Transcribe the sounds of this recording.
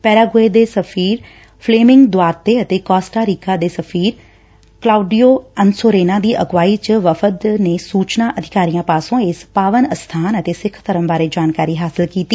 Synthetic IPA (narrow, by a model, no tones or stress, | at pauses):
pɛːɾaːɡoːeːd̪eːsəpʰiːɾ | pʰleːmɪŋɡd̪ʊaːɾt̪ːeːət̪eːkɔːsʈaːɾiːkaːd̪eːsəpʰiːɾ | klaːuɖiːoːənsoːɾeːnãːd̪iːʔə̰ɡʋaːiːt͡ʃəʋəfʰəd̪neːsuːt͡ʃnaːʔəd̪ʱɪkaːɾijãːpaːsõːɪspaːʋənəst̪ʰaːnət̪eːsɪkʰt̪ʰəɾəmbaːɾeːd͡ʒaːnkaːɾiːɦaːsɪlkiːt̪iː